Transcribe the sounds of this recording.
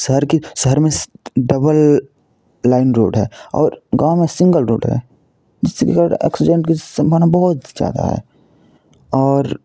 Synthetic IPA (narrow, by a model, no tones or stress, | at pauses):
ʃəɦəɾkiʃəɦəɾmẽɖɐbəlː | aːɪnɾo̰ːɖɦɛːɔ̰ːɾɡãːw̃mẽsɪ̃ŋɡəlɾo̰ːɖɦɛ̰ | d͡ʒɪsːekekɐɾəɾɛ̰ːksɪd͡ʒẽɳʈkisbanabɔɦʊt̪z̥ja̰ːd̪a̰ɦɛ̰ː | ɔːɾ